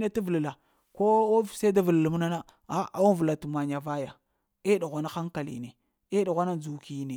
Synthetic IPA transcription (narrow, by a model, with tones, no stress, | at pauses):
na˦ta˦vlla˨ | ko˦sa˦da˦və˨llu˨mu˦na˦na˦ | a˦a̰˦wa˦vu˨la˨tu˨ma˨ɲa˨va˦ja˨ | e˦ɗa˨ɣʷa˨˦na˦xa˦ŋka˨lḭ˨ne˨ | e˦ɗa˨ɣʷa˦na˦d͡zu˨ki˦ne˨